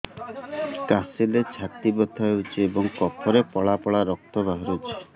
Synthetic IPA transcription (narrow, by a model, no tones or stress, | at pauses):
kasilet͡ʃʰat̪ibɔt̪ʰaeut͡ʃʰeebɔŋkɔpʰɔɾepɔɭapɔɭaɾɔk̚t̪ɔbaɦɔɾut͡ʃʰe̥